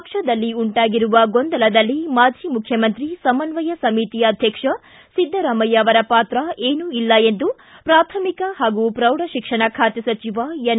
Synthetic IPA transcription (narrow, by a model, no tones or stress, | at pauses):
kʂɐd̪ɐlːiuɳʈaːɡiɾuʋɐɡond̪ɐlɐd̪ɐlːimaːd͡ʒʱiːmukʰjɐmɐnt̪ɾisɐmɐnʋɐjɐsɐmit̪ijɐːd̪ʱjɐkʂɐ | sid̪ʱːɐɾɐːmɐjɐːʋɐɾɐpaːt̪ɾɐʔeːnuilːɐend̪u | pɾaːt̪ʰɐmikɐɦaːɡupɾɐwɽɐʃikʂɐɳɐkʰaːt̪jɐsɐt͡ʃiʋajen